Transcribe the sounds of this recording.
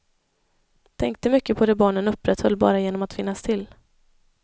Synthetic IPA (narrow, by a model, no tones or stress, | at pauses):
t̪ʰɛŋk̚t̪əmʏkːəpʰɔd̪ɛbɑːɳənɵpːɾɛt̪hɔlːbɑ̰ːɾajeːnɔmat̪fɪnːast̪ʰɪl